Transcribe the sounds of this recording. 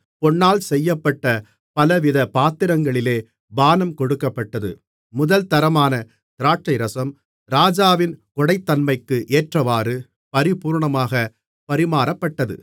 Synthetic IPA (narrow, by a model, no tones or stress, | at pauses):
pɔɳːaːlsɛjːɐpːɐʈːɐ | pɐlɐʋɪðɐpaːt̪ːɪɾɐŋɡɐɭɪleː | baːnɐmkɔɽɯkːɐpːɐʈːɐðɯ̰ | mʊðɐlt̪ɐɾɐmaːnɐ | t̪ɪɾaːʈrɐɪɾɐsɐm | ɾaːd͡ʒaːʋɪnkɔɽɐɪt̪ːɐnmɐɪkːɯʔeːʈrɐʋaːɾɯ | pɐɾɪpuːɾɳɐmaːɣɐ | pɐɾɪmaːɾɐpːɐʈːɐðɯ̰